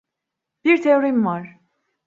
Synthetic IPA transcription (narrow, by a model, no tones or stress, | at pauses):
b̥iɾt̪ʰeoɾimvaɾ̥